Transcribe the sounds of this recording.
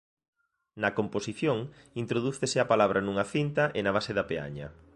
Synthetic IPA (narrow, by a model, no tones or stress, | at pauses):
nɐkomposiθjoŋ | int̪ɾoðuθesɪapalaβ̞ɾʔɐnuŋɐθint̪ɐʔenɐβ̞aseðɐpea̰ɲɐ̰